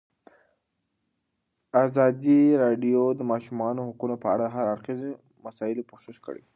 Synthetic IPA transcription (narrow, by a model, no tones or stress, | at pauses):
azɑd̪iɾɑɖijod̪əmɑʃumɑnohakunopəaɽaɦaɾaɾxize | masɑɪlopoʃɪʃkə̰ɽḛ